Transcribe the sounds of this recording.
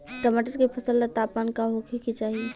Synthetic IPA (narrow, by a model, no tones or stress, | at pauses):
ʈəmaʈəɾkepʰəsəlːet̪aːpankaɦokʰekit͡ʃaːɦi